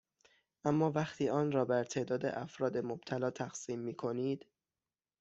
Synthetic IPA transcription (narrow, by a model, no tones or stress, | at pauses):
ʔæmːɒːvæχt̪ʰiːɒːnɾɒːbæɾt̪ʰe̞ːd̪ɒːd̪ḛʔæfɾɒːd̪e̞mob̥̚t̪ʰælɒːt̪ʰæxsiːmːiːkʰo̞niːd̪̥